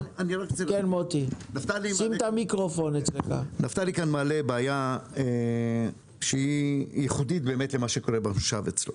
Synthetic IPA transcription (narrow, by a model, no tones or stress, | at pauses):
aniʁakkenmot̪inaft̪alisimt̪amikʁofonet͡sleka̰naft̪alikanmaːlebaːjae | ʃeijɛχud̪it̪̚be̞ːmetlemaʃeko̞ʁebanʃavet͡slo